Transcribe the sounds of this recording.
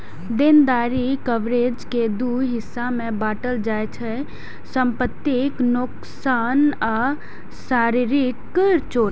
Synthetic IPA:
d̪ɪnd̪aːɾikəʋɾeːd͡ʒked̪uɦɪsːamẽbaːʈəld͡ʒaːet͡ʃʰɛ | sə̃mpət̪ːɪknʊk | saːnaː | saːɾiɾɪkːəɾt͡ʃoː

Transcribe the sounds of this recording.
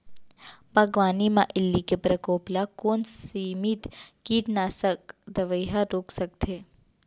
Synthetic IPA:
bʱɐɡʋaːnimãʔɪlːikepɾɐkoːplakoːnsiːmit̪kiːʈnaːsək̚d̪ɐʋəjɦaɾoːksɐk̚t̪ʰeː

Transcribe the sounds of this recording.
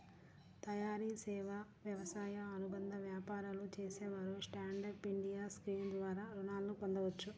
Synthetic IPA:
t̪ɐjaːɾisɛːʋaʋjɐʋɐsaːjɐːnubɐnd̪ɐʋjaːpaːɾɐlut͡ʃeːsɛːʋaːɾusʈaːɳɖɐɾpiɳɖijaːskɾiːnd̪ʋaːɾaːɾunaːlːukond̪ɐʋɐt͡ʃːu

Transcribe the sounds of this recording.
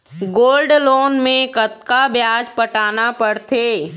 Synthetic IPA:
ɡoːlɖloːnmẽkɐt̪kabjaːd͡ʒpɐʈaːnapɐɽt̪ʰeː

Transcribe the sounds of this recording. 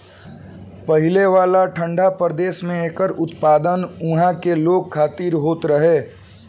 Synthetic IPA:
pəɦɪleʋaːlaʈʰə̃ɳɖʱapɾəd̪eːsmẽeɦkəɾʊt̪paːd̪ənʊ̃ɦãkeloːɡ̚kʰaːt̪iːɾɦoːt̪ɾəɦeː

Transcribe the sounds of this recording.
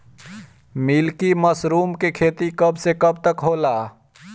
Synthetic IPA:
milkiməsɾuːmkekʰeːt̪ikəbsekəb̚t̪əkɦoːlaː

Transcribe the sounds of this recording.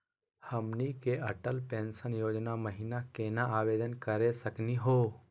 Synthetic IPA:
həmnikeʔəʈəlpẽːnsənjoːd͡ʒnaməɦinakeːnaʔaːʋeːd̪ənkəɾesəkniɦoː

